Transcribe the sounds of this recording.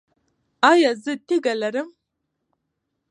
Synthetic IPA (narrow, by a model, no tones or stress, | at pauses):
aːjɐzɨtʰiɡɐlɐɾɨm